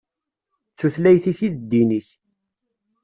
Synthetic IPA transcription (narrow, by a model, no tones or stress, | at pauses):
θuθlæjθiθizd̪ːiniθ